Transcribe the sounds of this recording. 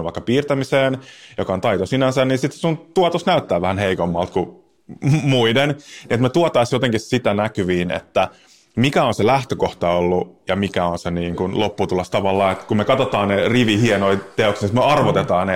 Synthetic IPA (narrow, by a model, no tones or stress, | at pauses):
ʋɑ̰ikːɑpiːrt̪æmiseːnjokɑont̪ɑit̪osinænsænninsit̪ssunt̪uɑt̪osnæyt̪ːæːʋæhænheikomːɑlt̪ku | muidenniet̪met̪uɑt̪ɑisjot̪eŋkissit̪ænækyʋiːnḛt̪ːæ | mikæonselæht̪økoht̪ɑolːujɑmikæonseniːŋkunlopːut̪ulːɑst̪ɑʋɑlːɑːet̪kummekɑt̪ot̪ɑːnneriʋihienoit̪eoksnisit̪meɑrʋot̪et̪ɑːnne